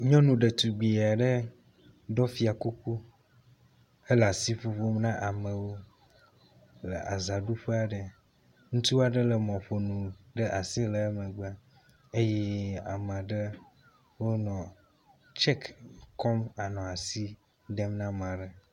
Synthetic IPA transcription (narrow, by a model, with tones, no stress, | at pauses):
ɲɔ̃˦nũ˨ɖe˨t̪u˨ɡ͡bi˨a˨ɖə˦ | ɖɔ˦fi˦a˨ku˦ku˦ | e˦la˨si˦fu˦ɸo˦mnã˦ʔa˨mə̃˨wo˦ | lə̰˨ʔa̰˨za˨ɖu˦ɸe˦a˨ɖə˨ | ŋũ˦t̪u˦a˦˨ɖə˦lə˨m˨ɔ̃˨ɸo˨nũ˨ɖə˦ʔa˨si˦lə˨˦mẽ˨ɡ͡ba˦ | e˦je˦a̰˨m˨a˨ɖə˦ | wo˦nɔ̃˨ | t͡ʃɛ˦kkɔ˦ma˨nɔ̃˨a˨si˦ | ɖɛ˦mnã˦m˨a˨ɖə˨